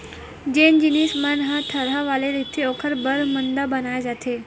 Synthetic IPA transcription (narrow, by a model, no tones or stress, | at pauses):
d͡ʑend͡ʑinismanɦat̪ʰəɾaʋaleɾit̪ʰːiokʰəɾbəɾmənd̪əbənajad͡zat̪ʰe